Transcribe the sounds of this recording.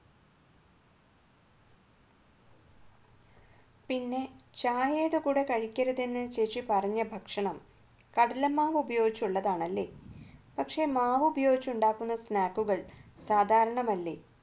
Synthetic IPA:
pinːe̞t͡ɕaːjeːɽɨkuːɽe̞kɐɻikʲːɐɾɐðenːɨt͡ɕeːt͡ɕːipɐrɐɲːɐbʱɐkʂɐɳɐm | kɐɽɐlɐmaːʋubɐjo̞ːɡit͡ɕːuɭːɐðaːɳɐlːe̞̰ːpɐkʂe̞maːʋubɐjo̞ːɡit͡ɕːuɳɖaːkːunːɐsnaːkːuɣɐɭsaːd̪ʱaːɾɐɳɐmɐlːḛː

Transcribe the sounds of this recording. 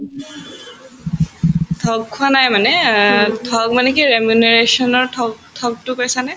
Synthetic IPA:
tʰɔɡ̚kʰʊanajmanɛtʰɔɡ̚manɛkiɹemuneɹesɔnɔɹʰɔtʰɔɡ̚tʊkajsanaj

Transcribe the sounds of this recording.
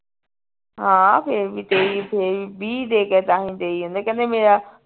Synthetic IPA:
ɦãːpʰeɾbit̪eipʰeɾbʱid̪eːkɛt̪aːɦĩt̪eːiɦũnd̪akɐd̪ẽmeːɾa

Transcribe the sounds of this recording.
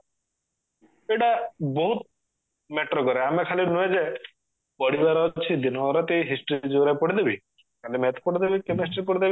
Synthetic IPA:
eʈabɔɦut̪̚ | meʈɾɔkɔɾeamekʰalinued͡ʒe | pɔɽibaɾɔt͡ʃʰid̪inɔɾɔt̪eɦisʈid͡ʒuɾepɔɽid̪ebi | kalimɛt̪ʰpɔɽid̪ebikemisʈɾipɔɽid̪ebi

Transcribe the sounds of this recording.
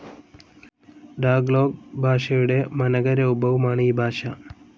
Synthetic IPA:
ɖaːɡlo̞ːɡbʱaːʂɐjuɽe̞mɐnɐɡɐɾɐubʱɐʋɐmaːɳɨiːbʱaːʂɐ

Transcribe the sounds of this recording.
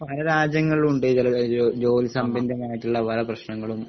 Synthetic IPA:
pɐlɐɾaːd͡ʑjɐŋːɐɭuɳɖɨɐlɐd͡ʑo̞ːlisɐmbendɐnaːjiʈːuɭːɐpɐlɐprɐɕnɐŋːɐɭum

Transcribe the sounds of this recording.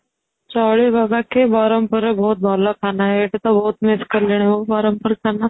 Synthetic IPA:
t͡ʃaɭibaɡakebaɾəmpəɾbʱoːt̪̚bʱalakʰanaɦeʈet̪abʱout̪mɪskəɾleɽ̃ibobaɾəmpəɾkʰana

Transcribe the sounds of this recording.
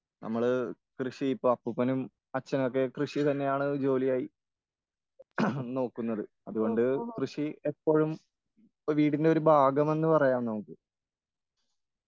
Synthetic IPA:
nɐ̰mːɐɭkrɨɕiipːoːɐpːupːɐnum | ɐt͡ɕːɐnok̬ːe̞krɨʂit̪ɐnːe̞jaːɳɨd͡ʑo̞ːlijaːji | no̞ːkːunːɐðɨ | ɐðuɣo̞ɳɖɨkrɨʂiepːo̞ːɻum | ʋiːɽinde̞o̞ɾubʱaːɡɐme̞nːɨpɐrɐjaːmno̞ːkːɨ

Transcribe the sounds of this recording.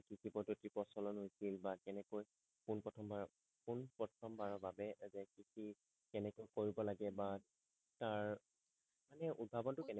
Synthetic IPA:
kikʰibɔdotɹipɔsɔlɔnɦojsilbakɛnɛkoj | punpɹɔtʰɔmbaɹɔ | punpɹɔtʰɔmbaɹɔbabɛzɛkisi | kɛnɛkojkoɹibɔlaɡɛba | taɹ | manɛʔud̚bʱabɔntʊkɛnɛ

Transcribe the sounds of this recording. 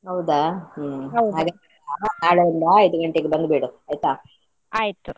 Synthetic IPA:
ɦɐwd̪a | ɦɐwdɦaːɡɐ | anaːɭuind̪ɐɐjd̪uɡɐɳʈeɡebɐnd̪biɽuajt̪aː | aːjt̪u

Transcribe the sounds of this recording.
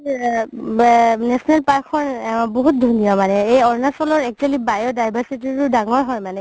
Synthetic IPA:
nɛsɔnɛlpaɹkʰːɔnboɦut̚dʱunijɔmanɛejɔɹnasɔlɔɹɛk̚t͡ʃualibajɔɹdajbʱaɹsititʊdaŋɔɹɦɔjmanɛ

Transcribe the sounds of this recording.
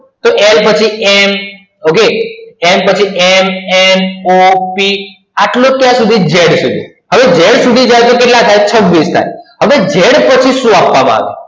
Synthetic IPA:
t̪oʔelpət͡ʃʰiɛm | okeempət͡ʃʰiemɛnopi | aʈlõk̪jãsud̪ʱid͡ʒeɽsud̪ʱḭ | ɦəʋed͡ʒeɽsud̪ʱid͡ʒajt̪okeʈlat̪ʰajt͡ʃʰəʋːist̪ʰa̰jɦəʋed͡ʒeɽpət͡ʃʰiʃũapʋamã̰a̰ʋḛ

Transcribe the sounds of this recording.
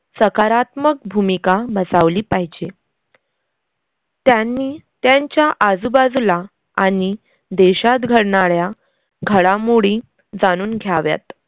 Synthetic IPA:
səkaɾat̪mək̚bʱumikabət͡saʋliːpaɦid͡ʑe | t̪janːiːt̪jaɲt͡ɕjaʔad͡zubad͡zula | aɽ̃i | d̪eɕat̪ɡʱəɽɳaɭja | ɡʱəɽamoɽiː | d͡zañuːnɡʱjaʋja̰t̪

